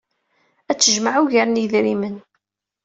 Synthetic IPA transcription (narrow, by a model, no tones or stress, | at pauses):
æt͡sːəʒmaʕuʝəɾniðɾimən